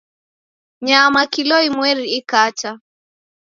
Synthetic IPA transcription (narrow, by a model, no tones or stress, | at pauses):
ɲamakilɔimwɛɾiːkat͡ʃa